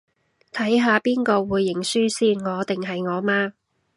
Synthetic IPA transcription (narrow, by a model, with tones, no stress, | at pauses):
t̪ʰɐ˨˥jɦaː˨˧piː˥nkɔː˧wuː˨˧jːɪ˨˩ŋsyː˥siː˥nŋɔː˨˧t̪ɪ˨ŋɦɐ˨jŋɔː˨˧maː˥